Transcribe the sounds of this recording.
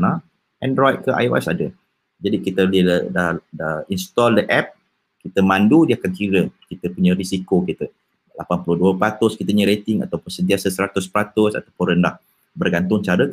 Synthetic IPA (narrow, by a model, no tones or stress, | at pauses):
na | ʔɛ̃ndɾɔjt̪̚kəʔa̰jwa̰sadə | d͡ʒadikit̪əlidahdainst̪ɔldəʔɛp̚ | kit̪əmãndudiakankiɾəkit̪əpuɲãɾisikokit̪ə | lapanpuluduəpəɾat̪ʊskit̪əɲəɾet̪ɪŋa̰t̪awpənsədt̪iasansəɾat̪ʊspəɾat̪ʊsa̰t̪awpʊnrɾəndah | bərɡant̪ʊŋt͡ʃaɾə